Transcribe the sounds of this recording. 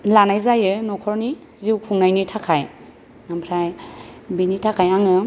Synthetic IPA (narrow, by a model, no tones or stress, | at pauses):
lanajzajɯnɔkʰɔɾni | ziwkʰuŋnajnitʰakʰaj | nampʰɾajbinitʰakʰajaŋɯ